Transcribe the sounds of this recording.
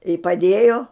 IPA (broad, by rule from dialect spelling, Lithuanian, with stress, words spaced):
ɪ pɐˈdʲeːjoː